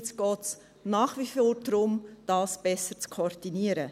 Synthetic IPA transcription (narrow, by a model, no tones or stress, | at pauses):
t͡sɡ̥ɔːts | nɑːχʋifoːɾdɾʊmd̥ɑːsb̥ɛsəɾt͡skʰord̥iniːəɾə